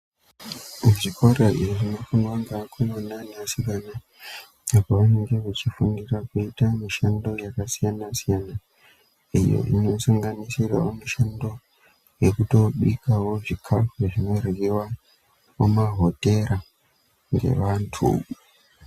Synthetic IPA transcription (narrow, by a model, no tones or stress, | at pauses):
muʐikoraiʐiʐinofunwaŋɡakʰomananiasikana | ekuʋane̞ŋɡe̞ʋat͡ʃifundirakuitamiʃando̞jakasijanasijana | ijo̰ʔḭno̞saŋɡanisiraomiʃando̞ | jekuto̞ɓuikawo̞ʐikʰafuʐeʐino̞rɣiwa | omaɦote̞ɾa | ŋɡe̞̰ʋantʰṵ